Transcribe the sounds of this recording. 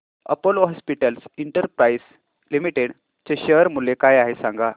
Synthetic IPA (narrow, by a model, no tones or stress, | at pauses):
ə̰pəlɔɦɔspiʈəlsiɳʈəɾpɾais | limiʈeɽ | t͡ɕeɕəɾmulekajaɦesãŋɡa